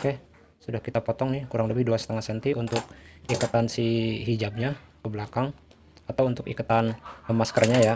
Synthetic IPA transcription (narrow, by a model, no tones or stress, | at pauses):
oke | sudahkit̪apɔt̪ɔŋnɪhkuɾaŋləbɪhduasə̥t̪əŋasənt̪iʔunt̪ʊk̚ikut̪ansiɦid͡ʒab̚ɲapəbəlakaŋ | at̪awunt̪ʊkḭkut̪anəmaskərɲaja